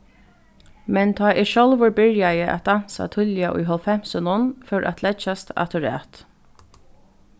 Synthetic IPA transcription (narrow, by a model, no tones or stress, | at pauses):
mɛnt̪ʰɑːʔɪʃɔlvʊɹbɪɹjajəʔa̰t̪̚d̪an̥sa̰t̪ʰʏljaʔʊ̰jɦɔlfɛm̥sənʊnfœːɹʔa̰t̪ʰlɛt͡ʃast̪a̰t̪ʰʊɹɛ̰ːt̪